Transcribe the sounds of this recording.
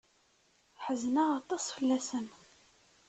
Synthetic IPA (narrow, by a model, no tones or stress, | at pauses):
ħəznaɑt̪ˤːɑsˤfəlːæsən